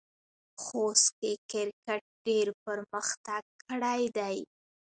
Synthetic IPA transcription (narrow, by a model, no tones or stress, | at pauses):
xost̪kekɪɾkaʈ̚ɖeɾpəɾməxt̪aɡ̚kʰəɽajd̪aj